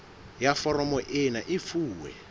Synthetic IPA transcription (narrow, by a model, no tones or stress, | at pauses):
jafɔɾɔmɔʔɪnaʔifuːwɛ̰